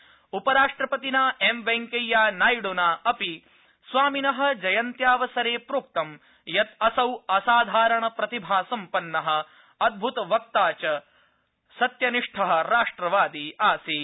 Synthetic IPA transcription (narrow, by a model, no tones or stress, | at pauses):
upɐɾaːʂʈɾɐpɐt̪inaːemʋeŋkɐjjːaːnaːjɽunaːɐpi | sʋaːminɐɦɐ̆d͡ʒɐjɐnt̪jaːʋɐsɐɾeːpɾuːk̚t̪ɐm | jɐt̪ɐsɐwɐsaːd̪ʱaːɾɐɳɐpɾɐt̪ibʱaːsɐmpɐnːɐɦɐ̆ | ɐd̪̚bʱut̪ɐʋɐk̚t̪aːt͡ʃɐ | sɐt̪jɐniʂʈʰɐɦɐ̆ɾaːʂʈɾɐʋaːd̪iaːsi